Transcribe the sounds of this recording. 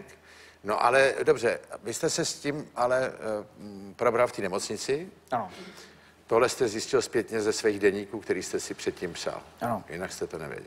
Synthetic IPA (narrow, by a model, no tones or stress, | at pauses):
k | no̞ʔa̰lɛdo̞br̝ɛvɪst̪ɛsɛscimʔalɛ | pɾo̞bɾalft̪iːnɛmo̞t͡sɲɪt͡sɪ | ano | t̪o̞ɦlɛst̪ɛzjɪscɪlspjɛt̪ɲɛzɛsviːɣdɛɲiːkuːkt̪ɛɾiːst̪ɛsɪpr̥ɛt̪̚cimpsa̰lʔanojɪ̰nakst̪ɛt̪onɛ̰vjɛ̰ɟɛ̰l